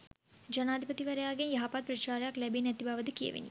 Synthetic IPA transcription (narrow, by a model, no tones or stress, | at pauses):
d͡ʒɐnaːd̪ʱipɐt̪iʋɐɾɐjaːɡenjɐɦapaːd̪̚pɾɐt͡ʃaːɾjaklɛbenɛt̪ibaʋɐd̪ɨkijḛʋḛnḭ